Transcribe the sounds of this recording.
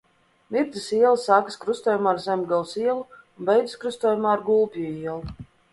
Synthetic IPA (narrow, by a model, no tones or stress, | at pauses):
miɾd̪ɨsiɛlˠasaːkɨskɾust̪uɔːjumaːɾzɛmɡalˠsiɛlˠuunbɛjd̪iskɾust̪uɔjumaːɾɡulˠpʲiuiɛlˠu